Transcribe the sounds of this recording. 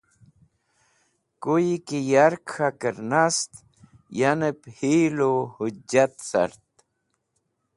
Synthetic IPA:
kujkijaɾkʰxakəɾnast̪ | janəphilohud͡ʒat̪sa̰ɾt̪̚

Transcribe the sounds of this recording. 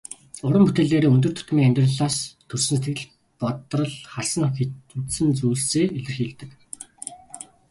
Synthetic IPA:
ʊɾə̆mput̪eːɮeːɾeːɵnt̪̬ɵ̆rt̪ʰɵ̥t̪̆miːŋæmʲt̪rə̆ɮaːst̪ʰːɵrsɘ̆nset̪ɡɘ̆ɮ | pɔt̪rɞ̆ɮχaɮsə̆ŋxeut̪sɘ̆nt͡suːɬt͡seːeɮɘ̆rxiːɮt̪ɘ̆k

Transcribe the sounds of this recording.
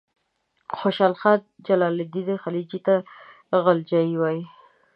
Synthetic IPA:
xoʃalxad̪̚d͡ʒalɑlɪd̪id̪exalid͡ʒit̪a | ɣald͡ʒɑiwɑji

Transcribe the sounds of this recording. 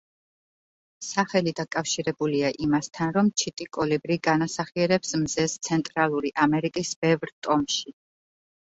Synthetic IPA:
saχɛlid̪akʼafʃiɾɛbuliaʔimast̪ʰanɾɔmt͡ʃʰit̪ʼikʼɔlibɾiɡanasaχiɛɾɛpsmzɛst̪sʰɛnt̪ʼɾalˠuɾiʔamɛɾikʼisb̥ɛvɾt̪ʼɔmʃi

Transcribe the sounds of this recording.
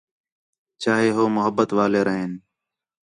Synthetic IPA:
t͡ʃaːɦeːɦoːmʊɦəbːət̪ʋaːleːɾəɦeːn

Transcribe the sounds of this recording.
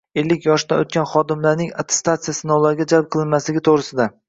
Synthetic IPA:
e̞lːɪkʲjɒʃd̪aot̪̚kʲanχɒd̪ɪmlaɾnɪŋat̪ʰe̥st̪at̪sɨjasɪnɒwlaɾɡʲad͡ʒalˠp̚qʰɨlˠɪnmaslɪɡʲɪt̪ʰoʁɾɪsɪd̪a

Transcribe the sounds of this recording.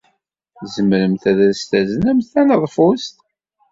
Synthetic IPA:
zəmɾəmθæðæst̪æzənæmθænəðˤfʊst̪

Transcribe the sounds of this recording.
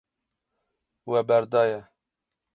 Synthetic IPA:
wɛbɛɾd̪ɑːjɛ

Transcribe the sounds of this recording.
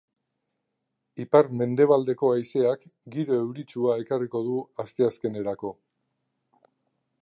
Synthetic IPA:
ipaɾme̞nd̪e̞β̞ald̪e̞ko̞ajse̞akɡiɾoe̞wɾit͡suae̞kariko̞ðuast̪e̞aske̞ne̞ɾako̞

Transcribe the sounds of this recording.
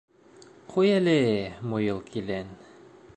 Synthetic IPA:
qʰujælɘmujɤ̆lˠkʰilæn

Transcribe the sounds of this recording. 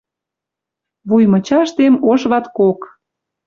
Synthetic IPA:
βujmə̆t͡ɕɑʃt̪emoʃβɑt̪kok

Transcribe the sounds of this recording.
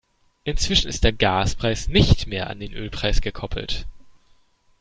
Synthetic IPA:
ʔɪnt͡sv̥ɪʃn̩ɪ̰std̥eːɐɡaːspʁ̥aɪsnɪçtmeːɐʔa̰ndeːnʔøːlpʁ̥aɪsɡ̥əkʰɔpʰl̩t

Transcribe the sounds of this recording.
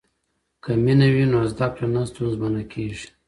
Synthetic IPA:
kaminawinoazd̪ɑp̚tanast̪unzbanakʰeʐi̥

